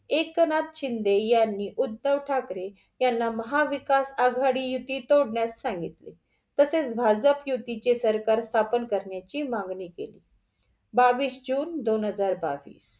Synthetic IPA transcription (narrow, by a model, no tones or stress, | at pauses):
ekːənat̪ɕind̪ejanːiːʔud̪ːəʋʈʰakɾe | janːaməɦaʋikasaɡʱaɽiːjut̪ːiːt̪oɽɳjassãŋɡit̪lḛ | t̪əset͡sbʱad͡zəpjut̪ːit͡ɕesəɾkaɾst̪ʰapənkəɾɳjat͡ɕiːmãŋɡɳiːkḛlḭː | baʋiːsd͡ʑuːnd̪onɦəd͡zaɾba̰ʋḭːs